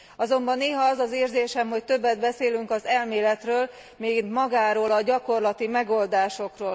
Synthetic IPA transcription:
ɒzo̞mbɒnːeːɦɒɒzɒzeːrzeːʃɛmɦo̞ct̪ø̞bːɛd̪̚bɛseːlyŋkɒzɛlmeːlɛt̪røːl | meːɡint̪mɒɡaːɾoːlɒɟɒko̞rlɒt̪imɛɡo̞ld̪aːʃo̞kroːl

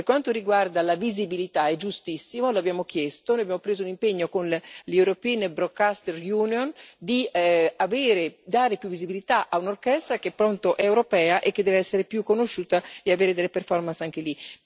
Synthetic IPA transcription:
perkwant̪oɾiɡward̪alavizibilit̪aɛd͡ʒust̪isːimolabjaːmok̟jɛst̪onojabjaːmopɾeːzounimpeɲːokonlɛwɾopinbɾokːast̪erjuːniond̪iaveːɾed̪aːɾepjuvːizibilit̪aʔaunorkɛst̪ɾak̟epːɾont̪oʔɛewɾopɛːaʔek̟ːed̪ɛːveɛsːeɾepjukːonoʃːuːt̪aeaveːɾed̪elːeperfɔrmansaŋk̟eli

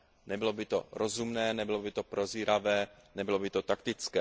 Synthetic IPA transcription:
nɛbɪlobɪt̪o̰ɾozumnɛːnɛbɪlobɪt̪opɾʔoziːɾavɛːnɛbɪlobɪt̪ot̪ak̚t̪ɪt͡skɛː

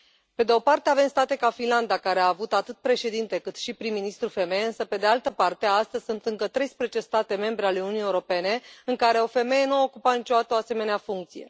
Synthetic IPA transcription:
pe̞d̪e̞o̞part̪eave̞mst̪at̪e̞kafinland̪akaɾeaːvut̪at̪ɨt̪̚pɾe̞ʃe̞d̪int̪e̞kɨt̪ʃipɾimːinist̪ɾufe̞me̞jeɨnsəpe̞d̪e̞alt̪əpart̪eaast̪əzʲsunt̪ɨŋkət̪ɾe̞jspɾezet͡ʃe̞st̪at̪e̞me̞mbɾe̞ale̞nununije̞uɾo̞pe̞ne̞ɨŋkaɾe̞o̞fe̞me̞je̞nuao̞kupat̪nit͡ʃoat̪əoase̞me̞neafuŋk̚t̪sije̞̰

